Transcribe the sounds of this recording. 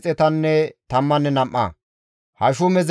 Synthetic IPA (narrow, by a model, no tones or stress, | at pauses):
t͡sʼɛt̪ɐnːɛt̪ɐmːɐnːɛnɐmʔɐ̰ː | hɐʃʊmɛz